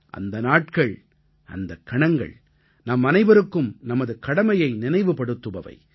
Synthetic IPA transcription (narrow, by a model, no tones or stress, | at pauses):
ʔɐ̰nd̪ɐnaːʈkɐɭ | ʔɐ̰nd̪ɐkːɐɳɐŋɡɐ̰ɭ | nɐmːɐnɐɪbɐɾɯkːɯmnɐmɐðɯkɐɽɐmɐjɐɪnɪnɐɪʋɯpɐɽɯt̪ːɯʋɐʋɐ̰ɪ